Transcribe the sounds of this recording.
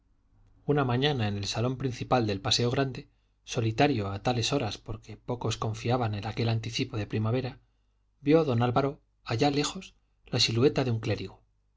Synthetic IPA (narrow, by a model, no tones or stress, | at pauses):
unamãɲanae̞ne̞lsalo̞mpɾin̟θipald̪e̞lpase̞o̞ɣ̞ɾand̪e̞ | so̞lit̪aɾjo̞at̪ale̞so̞ɾaspo̞ɾke̞po̞ko̞sko̞ɱfiaβane̞nake̞lant̪iθipo̞ðe̞pɾimaβ̞e̞ɾa | bjo̞ðo̞nalβaɾo̞ | aʝale̞xo̞s | lasilue̞t̪aðeuŋkle̞ɾiɣ̞o